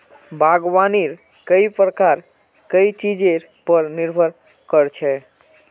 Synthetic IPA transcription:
bʱaɡʋaniɾ | kəipɾəkaɾ | kəit͡ʃid͡ʒeɾ | pəɾniɾbʱəɾ | kəɾt͡ʃʰɛ

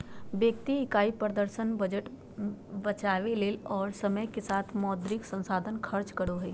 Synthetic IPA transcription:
bjəkt̪iɪkaːipɾəd̪əɾʃənbəd͡ʒəʈ | bət͡ʃaːʋeleːlɔːɾsɐməjkesaːt̪ʰmɔːd̪ɾɪksə̃nsaːd̪ʱənkʰɐɾt͡ʃkəɽoɦɛː

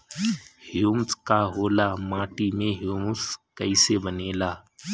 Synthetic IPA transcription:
hjuːmskaɦoːlaːmaːʈimẽɦjuːmskəɪsebəneːlaː

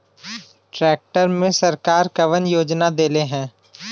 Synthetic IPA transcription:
ʈɾɛːk̚ʈəɾmẽsɐɾkaːɾkɐʋənjoːd͡ʒnad̪eːleɦɛ̃ː

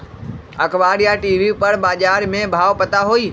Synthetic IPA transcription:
ɐkʰʋaːɾijaʈiːʋipɐɽɓaːʄaːɾmẽbʱaːʋpɐt̪aɦoiː

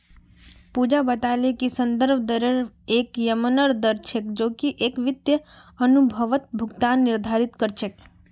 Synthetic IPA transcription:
pud͡ʒabət̪alekisənd̪əɾbʱd̪əɾəɾekjəmənəɾd̪əɾt͡ʃʰekd͡ʒoːkiʔekʋɪt̪jəənubʱəʋət̪̚bʱuɡt̪anːɪɾd̪ʱaɾit̪kəɾt͡ʃʰek

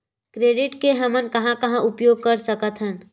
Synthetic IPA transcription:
kɾeːɖɪʈkeɦɐmənkɐɦãkɐɦãʔʊpjoːɡ̚kɐɾsəkət̪ʰɦən

